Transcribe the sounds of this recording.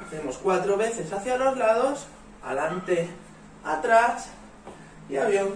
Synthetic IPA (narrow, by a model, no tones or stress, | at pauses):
emo̞skwat̪ɾo̞βe̞θe̞saθjalo̞zlað̞os | a̰lant̪e̞ | at̪ɾas | iaβia